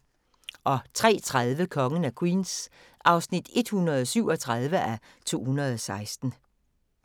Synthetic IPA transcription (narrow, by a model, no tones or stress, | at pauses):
ʔɒ̽t͡sʰʁɛ̰ːt͡sʰʁaðˠʋəkʰɒ̽ŋən̩ækʰwiːns | ʔɑ̈ʊsnid̥e̝d̥hunɐðˠɒsyʊɒ̽t͡sʰʁɑðˠʋəʔæ | t͡sʰo̝̰ːhunɐð̞ˠɒ̽sɑ̈ɪsd̥n̩